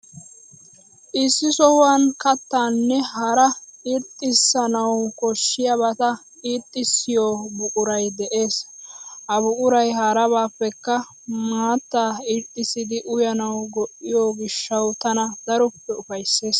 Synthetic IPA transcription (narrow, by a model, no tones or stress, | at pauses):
ʔɪsːɪsɔhʊwankɐt̪ːaːnːɛhɐɾɐɪɾt̪ʼːɪsːɐnɐwkɔʃːɪjɐβɐt̪ɐ | iːt̪ʼːɪsːɪjoːbʊkʼʊɾɐjd̪ɛʔe̞ːshɐbʊkʼʊɾɐjhɐɾɐβaːpːɛkːɐ | maːt̪ːaːɪɾt̪ʼːɪsɪd̪ɪʔʊjɐnɐwɡɔʔːɪjoːɡɪʃːɐwt̪ɐnɐd̪ɐɾɔpːɛʊfɐjsːe̞ːs